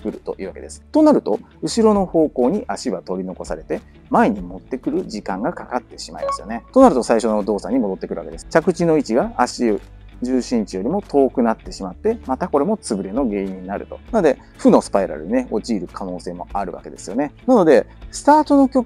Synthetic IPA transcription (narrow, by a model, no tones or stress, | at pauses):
kɯ̟ɾɯ̟t̪o̞̰ʔi̟ːβake̞d̪esɨ̥t̪o̞naɾɯ̟t̪o̞ | ɯ̟ɕiɾo̞no̞ho̞ːko̞ːɲ̟iʔaɕiβat̪o̞ɾʲino̞ko̞saɾe̞t̪e̞ | mae̞ɲ̟imo̞t̪ːe̞kɯ̟ɾɯ̟ʑikãŋɡakakat̪ːe̞ɕima̰imasɨjone̞t̪o̞naɾɯ̟t̪o̞saiɕo̞no̞d̪o̞ːsaɲ̟imo̞d̪o̞t̪ːekɯ̟ɾɯ̟βa̰ke̞d̪e̞sɨ̥t͡ɕakɯ̟t͡ɕino̞it͡ɕiɡaaɕi | ʑɨːɕĩɲ̟t͡ɕijo̞ɾʲimo̞t̪ʰo̞ːkɯ̟nat̪ːe̞ɕimat̪ːe̞mat̪ako̞ɾe̞mo̞t͡sɨbɯ̟ɾe̞no̞ɡe̞ːiɲːinaɾɯ̟t̪o̞̰nanod̪e̞ | ɸɯno̞sɨ̥paiɾa̰ɾɯ̟ɲineo̞t͡ɕiːɾɯ̟kʰano̞ːse̞ːmo̞̰aɾɯ̟̰βa̰ke̞d̪e̞sɨjo̞̰ne̞nano̞d̪e̞sɨ̥t̪aːt̪o̞no̞kʲo̞k